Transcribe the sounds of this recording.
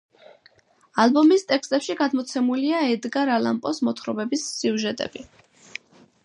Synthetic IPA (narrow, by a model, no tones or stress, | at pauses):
albɔmist̪ʼɛkst̪ʼɛpʃiɡad̪mɔt̪sʰɛmuliaɛd̪ɡaɾalampʼɔsmɔt̪ʰχɾɔbɛbisːiuʒɛt̪ʼɛ̰b̥i